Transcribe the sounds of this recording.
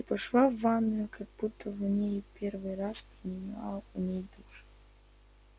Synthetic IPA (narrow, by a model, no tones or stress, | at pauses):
ipɐʂlˠavːanːəjʊkaɡ̚but̪ʰːəvnʲejpʲervɨjraspɾʲɪnʲɪmɑ̰lˠəunʲejd̪uʂ